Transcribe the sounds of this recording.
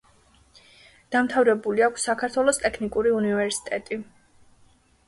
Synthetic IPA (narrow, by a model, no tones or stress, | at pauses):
d̪̥amt̪ʰavɾɛbuliakʷʰsːakʰaɾt̪ʰwɛlˠɔst̪ʼɛkʰnikʼuɾiunivɛɾsi̥t̪ʼɛt̪ʼi